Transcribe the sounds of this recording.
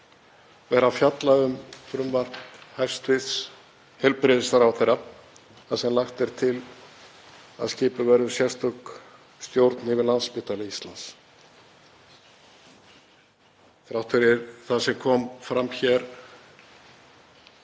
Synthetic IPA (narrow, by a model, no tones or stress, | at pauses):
vɛːɾafjat̪laʏmfɾʏmvar̥hajr̥st̪vɪðs | hɛlpɾɪðɪst̪aɾawθejra | θaðsɛmlaxt̪ɛɾ̥t̪ʰɪl | a̰ðscɪːpʏvɛɾðʏsjɛ̥st̪œk | st̪jowɾt̪nɪvɪlanspɪːt̪alɪist̪lans | θɾawht̪ʰʏɾɪɾθaðsɛmkʰɔːmfɾamçɛɾ̥